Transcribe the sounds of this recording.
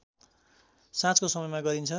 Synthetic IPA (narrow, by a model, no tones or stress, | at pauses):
sãt͡skosʌmʌjmaɡʌɾint͡sʰʌ